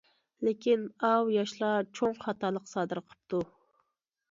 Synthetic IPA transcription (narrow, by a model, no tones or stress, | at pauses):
lekʲinɑwjɑʃlˠɑt͡ʃʰoŋχɑt̪ɑlˠəqsɑːd̪ɨɾqʰə̥p̚t̪ʰu